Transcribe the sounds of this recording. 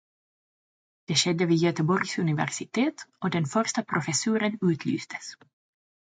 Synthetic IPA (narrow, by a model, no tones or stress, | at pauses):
d̪̥ɛːʃɛd̪ːəviːjœt̪əbɔɾɡsɵnɪvæ̰ɾsɪt̪ʰeːt̪ɔd̪ɛnfœɾʂt̪apʰɾʊfɛsʉːɾənʉːt̪ʰly̰ːst̪ə̥s